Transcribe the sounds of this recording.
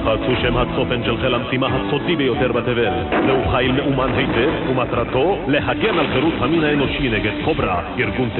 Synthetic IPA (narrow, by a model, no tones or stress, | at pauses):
χaːt͡suʃemhat͡sofenʃelχelamsimaɦat͡sot̪ibejot̪eʁbat̪evelleuχajlmeʔumanɦejt̪evumat̪ɾat̪o̞leɦaɡenalχeɾut͡shaminaenoʃineɡedχobɾajiɾɡunt̪